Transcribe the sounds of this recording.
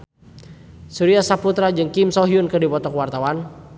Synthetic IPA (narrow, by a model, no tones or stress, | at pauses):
suɾiasaput̪ɾad͡ʒɨŋkimsɔɦiunkɨdipɔt̪ɔkwart̪awan